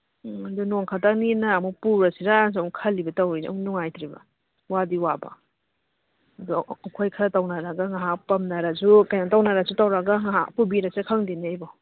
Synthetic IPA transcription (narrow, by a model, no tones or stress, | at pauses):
ɐdunoŋkʰatak̚ninɐːmupuɾɐsiɾazowŋkʰɐlːibɐtawɾḭnuŋajtʰɾibɐ̰ | wadiwabɐ̰ | ɐduɐkʰojkʰɐɾɐtɐwnaɾaɡaŋaɦakpɐmnaɾad͡ʒukajnatawnaɾazutawɾaɡaŋaɦapubiɾasekʰaŋdineajbɔ